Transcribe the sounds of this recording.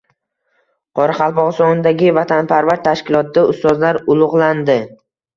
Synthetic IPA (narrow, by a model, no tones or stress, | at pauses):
qʰɒɾaχɑlˠpɒʁsɒnnd̪aɡʲɪvat̪ʰanpʰaɾvaɾt̪ʰaʃkʲɪlˠɒt̪̚d̪aʊst̪ɒzlaɾʊlˠʊʁlˠand̪ɪ